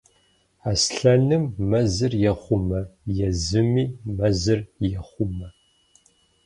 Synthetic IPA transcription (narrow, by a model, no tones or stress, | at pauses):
asɬɐnɨmːɐzɨrjɛχʷʊmɐjɛzɨmiːmɐzɨrjɛχʷʊmɐ